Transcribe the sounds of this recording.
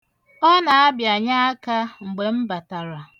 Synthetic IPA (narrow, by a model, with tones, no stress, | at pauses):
ɔ˦na˨a˦bja˨ɲa˦a˦ka˦ŋ͡m̩˨ɡ͡be˨m̩˦ba˨ta˨ɾa˨